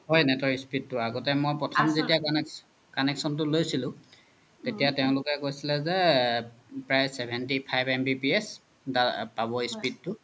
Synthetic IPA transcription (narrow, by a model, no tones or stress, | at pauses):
hɔjnɛtɔispid̚tʊaɡɔtɛmojpɹɔtʰɔmzetia | kanɛksɔnt̬ʊlojsilʊ̃ | tetijateʊ̃lʊkɛkojsilɛzɛ | pɹajsɛbʱɛnt̬ipʰajbɛmbipiɛs | dapabɔispidtʊ